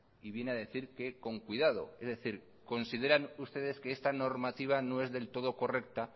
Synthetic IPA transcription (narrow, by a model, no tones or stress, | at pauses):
iβje̞neaðe̞θiɾke̞ko̞ŋkwiðað̞o̞̰e̞zðe̞θiɾ | ko̞nsið̞e̞ɾanust̪e̞ðe̞skeest̪ano̞ɾmat̪iβ̞ano̞e̞zðe̞lt̪o̞ð̞o̞ko̞re̞k̚t̪a